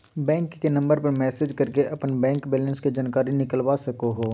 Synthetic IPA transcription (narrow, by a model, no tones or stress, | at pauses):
bɛ̃ːŋkːenɐ̃mbəɾpɐɾmɛːsed͡ʒkɐɾkeʔɐpnbɛ̃ːŋkbɛːlə̃nsked͡ʒaːnkaːɾinɪkəlwasɐkoɦoː